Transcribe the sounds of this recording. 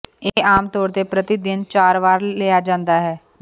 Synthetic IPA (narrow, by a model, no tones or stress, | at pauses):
eːaːmt̪ɔːɾt̪eːpɾət̪ɪd̪ɪnt͡ʃaːɾʋaːɾleːaːd͡ʒãːnd̪aːɦɛː